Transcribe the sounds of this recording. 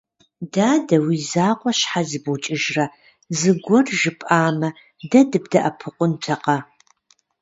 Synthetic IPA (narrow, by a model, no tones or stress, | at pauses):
daːdɐwiːzaːqʷʼɔɕħazɨbut͡ʃʼɪʒrɐ | zɨɡʷɔrʒɪpʼʔaːmɐ | dɐdɨbdɐʔɐpʰɨqʷʊntʰɐqɐ